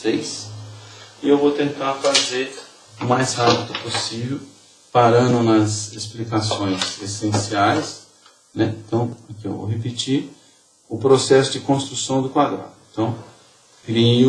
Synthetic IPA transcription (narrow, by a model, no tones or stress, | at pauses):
sejs | ɪewvowt̪ẽnt̪aɾfazeɾ | ʊmajshapid̪ʊposivew | paɾɐ̃nʊnɐzesplikasõj̃zesẽsiajs | nɛẽt̪ɐ̃w̃akiḛwvo̰wɦepit͡ʃiɾ | ʊpɾosɛsʊd͡ʒɪkõst̪ɾusɐ̃w̃d̪ʊkwad̪ɾa̰d̪ʊẽt̪ɐ̃w̃ | kɾi